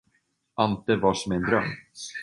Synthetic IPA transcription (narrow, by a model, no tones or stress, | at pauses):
ʔant̪əvaʂɔmɛnd̪ɾœ̰m